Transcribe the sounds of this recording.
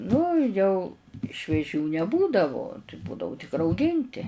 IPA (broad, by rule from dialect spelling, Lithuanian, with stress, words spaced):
ˈnʊ jɛʊ ʃʲʋʲiɛˈʒʲuː nʲɛˈbuːdɐʋʊ tɐɪ ˈbuːdɐʋʊ tʲɪk rɐʊˈɡʲɪnʲtʲɪ